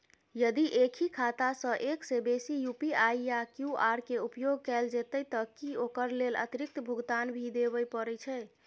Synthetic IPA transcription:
jəd̪iʔekʰikʰat̪asə̃ʔeksebesijupiaijakjuaɾkeupjoɡkɛld͡ʒet̪əjt̪əkiokəɾlelə̰t̪iɾik̚t̪əbʱuɡt̪anbʱid̪eβəjpəɾɛt͡ʃʰɛ

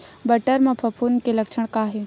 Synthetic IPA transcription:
bɐʈəɾmãpʰɐpʰunkelɐkt͡ʃʰəɽ̃kaːɦe

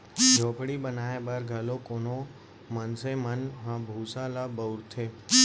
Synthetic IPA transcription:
d͡ʒʱoːpɽibənaebaɾɡʱalokono | mənsemənɦãbʱusalabəwɾt̪ʰe

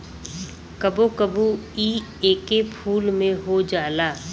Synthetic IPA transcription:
kɐbokəbuiː | eːkepʰuːlmẽɦod͡ʒaːlaː

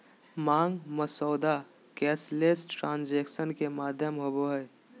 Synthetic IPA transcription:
mãːŋɡməsɔːd̪a | kɛːsleːsʈɾãːnd͡ʒeːkʃənkemaːd̪ʱjəmɦoboɦɛː

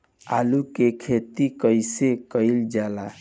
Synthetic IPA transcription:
a̰lukekʰet̪ikəjsekəɪld͡ʒala

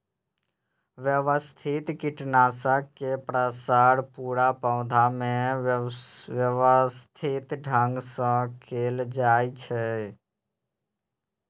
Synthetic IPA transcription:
ʋjəʋəst̪ʰit̪kɪʈnaːsakepɾəsaːɽpuːɽapə̃ʊ̃d̪ʱamẽ | əʋəst̪ʰit̪ɖʱə̃ŋɡsə̃kʰeːld͡ʒaːit͡ʃʰɛ

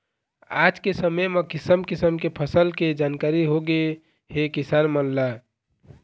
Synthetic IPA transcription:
a̰d͡ʒkesəməjmekɪsəmkisəmkepʰəsəlked͡ʒankaɾiɦoɡe | hekisaɾmənla

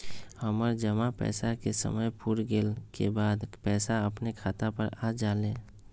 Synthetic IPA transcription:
həməɾd͡ʒəmapɛ̰ːsakesə̰məjpuɾɡeːlkebaːd̪pɛːsaəpnekʰaːt̪apəɾad͡ʒaːlẽː

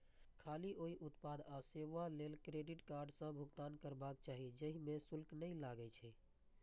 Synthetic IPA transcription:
kʰaliʔoiʔut̪pad̪aseʋalelkɾeɖiʈkaɾɖsə̃bʱuɡt̪ankəɾbak̚t͡ʃaɦid͡ʒəɦimesulknəjlaɡɛt͡ʃʰɛ

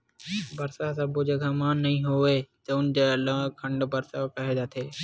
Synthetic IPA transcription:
bəɾsasɐbod͡ʒekʰãmaːnːɐɦĩːɦoʋeːt̪əʊnd͡ʒalãːkʰəɳɖbəɾsakəɦed͡ʒaːt̪ʰeː

